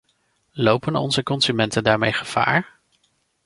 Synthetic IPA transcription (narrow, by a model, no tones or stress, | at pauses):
lowpənɔ̰nzəkɔnzymɛntəndaːɹmejχəv̥a̰ːɹ